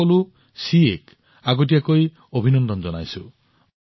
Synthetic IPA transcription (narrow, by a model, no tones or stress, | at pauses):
ɔlu | siek | aɡɔt̬iakoi | obʱinɔnd̪ɔnd͡ʒɔnajsu